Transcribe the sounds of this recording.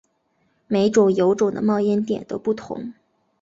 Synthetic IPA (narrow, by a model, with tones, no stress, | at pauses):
me˧˥ɪʈ͡ʂʊ˨˩ŋjo˧˥ʊʈ͡ʂʊ˨˩ŋd̪ə̰˦mɑ˥˧ʊjɛ˥nt̪jɛ̰˨˩nt̪o˥ʊpu˥˩t̪ʰʊ̰˧˥ŋ